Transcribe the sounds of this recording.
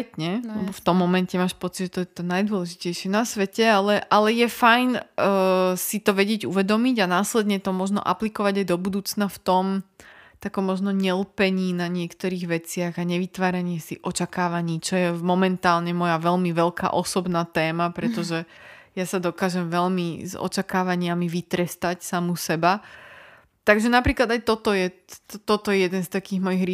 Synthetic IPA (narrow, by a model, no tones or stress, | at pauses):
t̪ɲɛlɛbɔft̪ɔmːɔmɛncɛmaːʃpɔt͡sid̪ʒɛt̪ɔjɛt̪ɔnajd̪ʊɔlɛʒicɛjʃɪɛnasʋɛcɛalɛʔalɛjɛfajn | sit̪ɔʋɛɟɪɛɟuʋɛd̪ɔmiɟanaːslɛd̪ɲɛt̪ɔmɔʒnɔ̰ʔa̰plikɔʋaɟajd̪ɔbud̪uːt͡snaft̪ɔmt̪akɔmːɔʒnɔɲɛlpɛɲiːnaɲɪɛkt̪ɔɾiːɣʋɛt͡sɪaɣaɲɛʋit̪ʋaːɾaɲɪɛsiʔɔt͡ʃakaːʋaɲiːt͡ʃɔjɛmɔmɛnt̪aːlɲɛmɔjaʋɛlmiʋɛlka̰ʔɔsɔbnaːt̪ɛːmapɾɛt̪ɔʒɛ | jasad̪ɔkaːʒɛmʋɛlmizɔ̰t͡ʃakaːʋaɲɪamiʋit̪ɾɛst̪acsamusɛba | t̪aɡʒɛnapɾiːklad̪ajt̪ɔt̪ɔjɛt̪ɔt̪ɔjɛjɛd̪ɛnst̪akiːɣmɔjiɣɾi